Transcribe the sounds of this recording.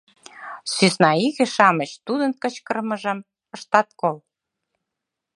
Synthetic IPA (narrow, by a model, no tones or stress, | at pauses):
sysnɑiɣĕʃɑmə̆t͡ɕt̪ud̪ənkə̆t͡ɕkə̆rmə̆ʒə̆m | əʃt̪ɑt̪̚kol